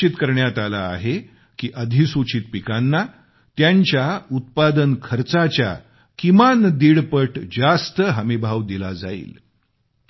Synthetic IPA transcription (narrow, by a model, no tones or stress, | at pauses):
it̪kəɾɳjat̪ala̰ːɦe | kiːʔəd̪ʱisut͡ɕiːt̪̚pikanːa | t̪jaɲt͡ɕjaut̪̚pad̪ənkʰəɾt͡sat͡ɕja̰ | kimand̪iɽpəʈd͡zast̪əɦəmibʱaʋd̪ilad͡za̰ḭːl